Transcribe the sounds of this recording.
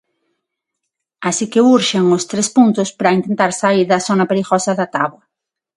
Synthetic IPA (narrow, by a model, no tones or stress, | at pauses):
asikeuɾʃeŋʊst̪ɾespunt̪ʊspɾɐint̪ent̪aɾsaiɾðɐθonɐpeɾiɣosɐðɐt̪aβwɐ